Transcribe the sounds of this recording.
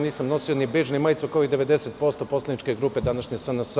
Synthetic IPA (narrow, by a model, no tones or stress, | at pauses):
niːsamno̞sionibeːʒnimaːjt̪sukoid̪eʋed̪eset̪̚po̞st̪oposlenit͡ʃkeɡɾuːpe̞d̪anaʃɲesamnas